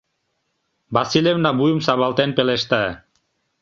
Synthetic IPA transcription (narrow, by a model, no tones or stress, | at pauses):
basilʲevnabujumsaβalt̪enpeleʃt̪a